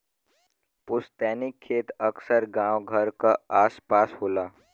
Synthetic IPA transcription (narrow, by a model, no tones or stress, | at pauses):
pʊst̪ɛːnɪkʰːeːt̪əksəɾɡãːwɡʱəɾkaaːspaːsɦoːlaː